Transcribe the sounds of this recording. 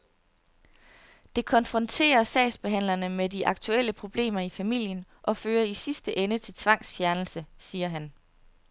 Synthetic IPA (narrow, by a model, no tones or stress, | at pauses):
d̥e̝kʰɒ̽nfʁɒ̽nt͡sʰe̝̰ːɐsɛ̰ɪsb̥e̝ɦæn̰lɐnəmediʔɑ̈ɡ̥̚t͡sʰuel̰əpʰʁo̝b̥le̝̰ːmɐifæmil̰jən | ʔɒ̽føːɐisisd̥əʔenət͡sʰe̝lt͡sʰʋɑ̈ŋ̰sfjæɐnl̩səsiːɐɦæn